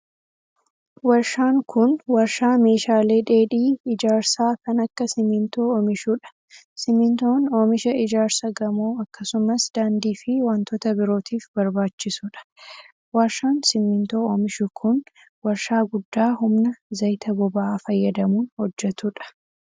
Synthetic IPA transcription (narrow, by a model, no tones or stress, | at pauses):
wɐɾʃaːŋkʊnwɐɾʃaːme̞ːʃaːle̞ːᶑe̞ːᶑiːɪd͡ʒaːɾsaːkɐnɐkːɐsɪmɪnt̪o̞ːomɪʃuːᶑɐ̥ | sɪmɪnt̪o̞ːnoːmɪʃɐɪd͡ʒaːɾsɐɡɐmoːɐkːɐsʊmɐsd̪aːnd̪iːfɪwant̪oːt̪ɐbɪɾo̞ːt̪ʰiːfbɐɾbaːt͡ʃːɪsuːᶑɐ̥ | wɐɾʃaːnsɪmɪnt̪o̞ːoːmɪʃʊkʰʊn | wɐɾʃaːɡʊd̪ːaːɦʊmnɐzɐjt̪ɐbɔbɐaːfɐjːɐd̪ɐmuːnhɔd͡ʒːɛt̪uᶑɐ̥